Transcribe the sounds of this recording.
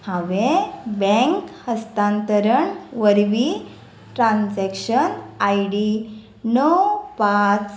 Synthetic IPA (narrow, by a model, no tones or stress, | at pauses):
hãʋebɛ̃ŋkhəst̪ãnt̪əɾəɳʋəɾʋi | ʈɾãnsɛkɕənajɽi | nəwpat͡s